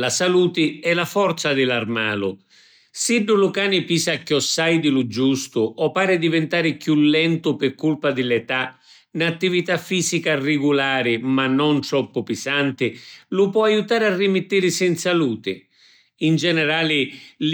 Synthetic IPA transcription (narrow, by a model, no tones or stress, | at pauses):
lasaluːt̪ɪɛlafɔrt̪sad̪ɪlarmaːlʊ̰ | siɖːʊlʊkaːnɪpiːsakːjɔsːajd̪ɪlʊd͡ʒust̪ʊɔpːaːɾɪd̪ivɛnt̪aːɾɪkjulːɛnt̪ʊpɪrkːulpad̪ɪlɛt̪a | nat̪ːivit̪afːiːzikarɪɡulaːɾɪmanːɔnt̪ɾɔpːʊpɪsant̪ɪlʊpwɔajut̪aːɾɪarːimɪt̪ːiːɾɪsɛnt̪saluːt̪ɪ̰ | ind͡ʒɛnɛɾaːlɪl